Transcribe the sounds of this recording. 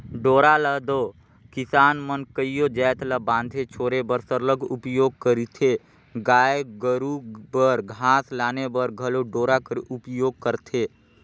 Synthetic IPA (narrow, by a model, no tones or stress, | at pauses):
ɖoːɾaləɦd̪oː | kɪsaːnmənkəijod͡ʒɛːt̪ʰləbãːnd̪ʱet͡ʃʰoːɾebəɾsəɾləɡʱʊpjoːɡ̚kəɾit̪ʰe | ɡaːjɡəɾubəɾɡʱaːslaːnebəɾɡʱəloɖoːɾakəɾʊpjoːɡ̚kəɾt̪ʰeː